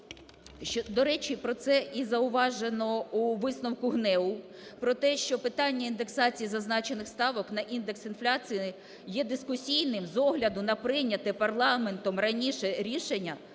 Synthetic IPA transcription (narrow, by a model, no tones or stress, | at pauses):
ʃt͡ʃɔd̪ɔɾɛt͡ʃipɾɔt̪sɛizɐʊʋɑʒenɔuʋɪsnɔwkʊɦnɛwʊ | pɾɔt̪ɛʃt͡ʃɔpɪt̪ɑnʲːɐind̪e̞ksɑt͡sʲijizɐznɑt͡ʃenɪxst̪ɑʋɔkn̪ɐʔind̪eksinflʲat͡sʲiji | jɛd̪ɪskʊsʲijnɪmzɔɦlʲɐd̪ʊnɐpɾɪnʲɐt̪ɛpɐrlˠɑme̞nt̪ɔmrɐnʲiʃɛɾʲiʃenʲːɐ